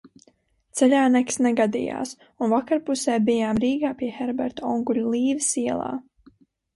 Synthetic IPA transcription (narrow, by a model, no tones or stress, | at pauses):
t̪sɛlʲaːnɛksnɛɡad̪ḭja̰ːs | unvakaɾpusɛːbijaːmɾiːɡaːpiɛxɛɾbɛɾt̪aɔŋɡulʲulˠiːvisiɛlˠa̰ː